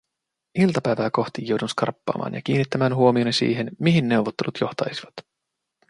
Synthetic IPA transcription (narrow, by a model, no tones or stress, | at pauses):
ilt̪ɑpæjʋæːko̞xt̪ijːo̞wdunskɑ̰rpːɑ̰ːmɑ̰ːnjɑ̰k̟iːnːit̪ːæmæːnɦuomionisḭːɦenmiɦinːe̞wʋot̪ːe̞lut̪ʰjo̞ht̪ɑjsiʋɑt̪